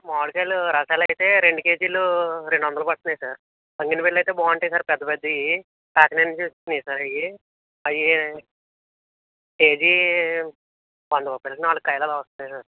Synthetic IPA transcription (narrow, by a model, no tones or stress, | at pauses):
maːɭkɐjluɾɐʂaːlɐjt̪e̞ːɾeɳɖuke̞ːd͡ʒiluɾeɳɖuʋɐnd̪ɐlopɐʈt̪unaːjisaːɾ | ɐŋɡinɐpeɽlɐjt̪eːbaːɐɳʈejsaːɾpɛd̪ːɐped̪ːi | ʈaːkneniɲt͡ʃist̪unisaːɾɐji | ɐji | keːd͡ʒi | ʋɐnd̪ɐpɐpelɐkɐnaːɭːkːɐjɐlaːlaʋɐst̪unːaːjsaːɾ